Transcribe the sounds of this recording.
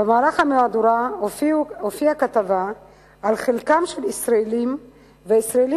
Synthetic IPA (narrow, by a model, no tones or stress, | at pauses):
bemaːlaχamead̪uʁa | ofiakat̪avaː | lχelkamʃelisʁaelim | veisʁaeli